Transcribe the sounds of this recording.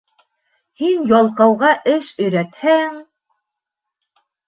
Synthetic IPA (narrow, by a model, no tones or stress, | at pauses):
hinjɑlˠqɑwʁɑʔɘʃɵ̆jɾæt̪hæŋ